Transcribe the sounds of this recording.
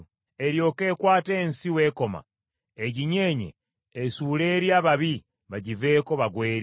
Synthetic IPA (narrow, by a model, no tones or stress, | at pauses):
eɾjo̞ːke̞ːkwaːte̞ːnsiwe̞ːko̞ma̰ | eɟiɲe̞ːɲḛː | suːle̞ːɾjaːβaβi | βaɟive̞ːko̞βaɡwe̞ːɾ